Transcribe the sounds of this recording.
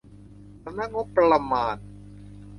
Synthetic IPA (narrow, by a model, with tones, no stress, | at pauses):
sa˧na˦˥ŋo˦˥pːɾa˧la˧maː˧n